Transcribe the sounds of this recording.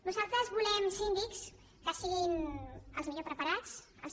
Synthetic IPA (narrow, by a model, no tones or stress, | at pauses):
nuzalˠt̪ɾəzβulɛmsind̪iks | kasiɣinəlˠzmiʎopɾəpəɾat͡s | ə̰lz